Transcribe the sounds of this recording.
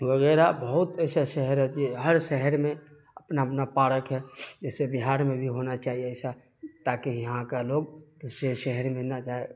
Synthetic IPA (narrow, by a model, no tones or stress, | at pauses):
ʋəɣɛːɾabəɦʊt̪ɛːsaʃɛɦəɾɦɛd͡ʒeɦəɾʃɛɦəɾmẽ | əpnaəpnapaːɽəkɦɛd͡ʒɛːsebiɦaːɾmẽbʱiɦonat͡ʃaːɦieəɪsa | t̪aːkejəɦãkaloːɡt̪oseʃɛɦəɾmẽnat͡ʃaːe